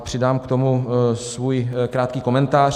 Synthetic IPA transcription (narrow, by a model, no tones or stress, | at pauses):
pr̥ɪdaːmkt̪o̞musvuːjkɾaːt̪kiːko̞mɛnt̪aːr